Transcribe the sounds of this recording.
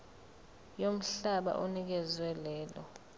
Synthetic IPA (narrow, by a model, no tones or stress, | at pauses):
jom̩ɬaɓa̰ʔonik̬ɛzwɛlɛːlɔ̰